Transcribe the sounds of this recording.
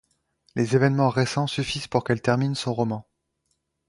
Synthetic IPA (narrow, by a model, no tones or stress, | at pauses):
lʔezevɛnmɑ̃ʁesɑ̃syfiz̥puʁkɛlt̪ɛʁminsɔ̃ʁɔmɑ̃